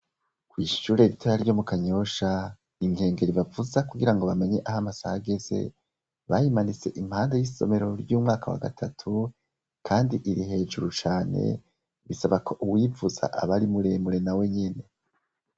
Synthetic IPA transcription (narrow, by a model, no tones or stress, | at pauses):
kwiːʃuːɾe̞ɾitʰoɾaɾɟo̞mukaɲo̞ʃa | iŋɡe̞ːŋɡe̞ɾiβavuzakuɡiɾaŋɡo̞βame̞ɲe̞ʔaɦamasahaɡe̞ze̞̰ | βajimanit͡se̞ʔim̥haːnde̞jiso̞̰me̞ɾo̞ɾjuːmŋaːkʰawa̰ɡa̰tʰatʰu | kʰaːndiʔiɾihe̞ːʒuɾut͡ʃaːne̞̰ | βisaβakʰo̞ʔuwivuza̰ʔa̰βaɾimuɾe̞ːmuɾe̞nawe̞ɲene̞